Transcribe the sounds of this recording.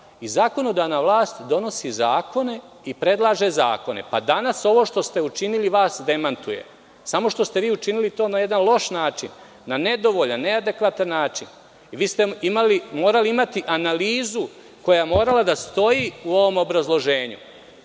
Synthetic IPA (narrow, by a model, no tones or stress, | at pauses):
izaːko̞nod̪anaʋlˠaːst̪d̪o̞no̞sizaːko̞ne̞ | ipɾe̞d̪lˠaːʒe̞za̰ːko̞ne̞̰pad̪anaso̞ʋo̞ʃt̪o̞st̪e̞ut͡ʃiniliʋaːsd̪e̞mant̪uje̞̰ | samo̞ʃt̪o̞st̪e̞ʋiːut͡ʃinilit̪oːnajed̪anlˠo̞ʃnaːt͡ʃinː | ane̞d̪o̞ʋo̞ʎanːe̞ad̪e̞kʋat̪anːaːt͡ʃin | iʋiːst̪eimalimo̞ːɾaliimat̪iʔanaliːzu | ko̞jamo̞ːɾalad̪ast̪o̞jiuo̞ʋo̞mo̞bɾazlˠo̞ʒeːɲṵ